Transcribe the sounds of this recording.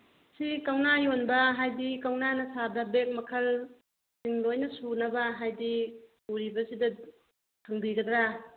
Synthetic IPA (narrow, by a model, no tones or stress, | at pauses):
sikawnajonbɐɦajdikawnanɐsadɐbek̚mɐkʰɐl | siŋlojnɐsunɐbɐɦajdi | uɾibɐsidɐ | tʰaŋdiɡɐdɾa